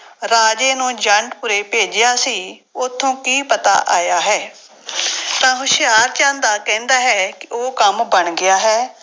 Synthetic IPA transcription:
ɾaːd͡ʒeːnũːd͡ʒəɳʈpʊɾeːpeːd͡ʒɪjaːsiː | ʊt̪ʰːõːkiːpət̪a̰ːʔaːjaːɦɛː | t̪ãːɦʊʃɪjaːɾt͡ʃãːnd̪aːkɛ̃ːnd̪aːɦɛːkɪʔoːkəmbəɳɡɪjaːɦɛː

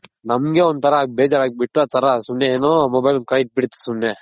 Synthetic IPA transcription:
nɐmɡeɔnd̪t̪ʰɐɾɐːɡbeːd͡ʒaːɾaːɡ̚biʈːuaːt̪ʰɐɾɐsumnjeeːnoːmoːbɐjlukajit̪̚biɽit̪ːu̥sumːe

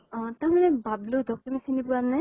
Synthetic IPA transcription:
tamanɛbablod̪ʱɔk̚timisinibuana

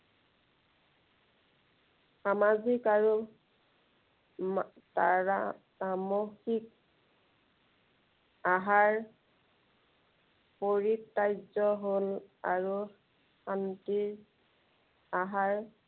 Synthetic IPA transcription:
xamazikaɹu | taɹa | amoxik̚ | aɦaɹ | poɹitːajzɔɦolaɹu | xantiɹ | aɦaɹ

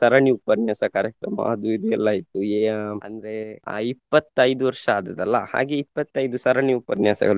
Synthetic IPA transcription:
sɐɾɐɳiupɐnjaːsɐkaːɾjɐkɾɐmɐ̰ɐd̪uid̪uɛlːaːjit̪ːueːɐ̰nd̪ɐɾeipːɐt̪ːɐjd̪uʋɐɾʂɐaːd̪ɐd̪ɐlːɐha̰ːɡeipːɐt̪ːɐjd̪usɐɾɐɳiupɐnjaːsɐ̰ɡɐɭu

